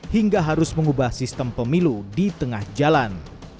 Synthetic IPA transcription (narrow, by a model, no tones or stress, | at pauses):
hiŋɡaɦaɾʊsməŋubahsist̪əmpəmiludit̪əŋahd͡ʒalan